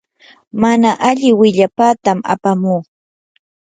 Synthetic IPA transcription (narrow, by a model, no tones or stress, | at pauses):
manaʔaʎɪwɪʎapaːt̪ama̰pamuː